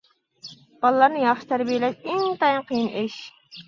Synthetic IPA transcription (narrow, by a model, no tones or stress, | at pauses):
b̥ɑlˠlˠɑɾnɨjɑχʃɨ̥t̪ʰæɾbijelɛʃɪŋt̪ʰɑjɨnqʰəjinʔɪʃ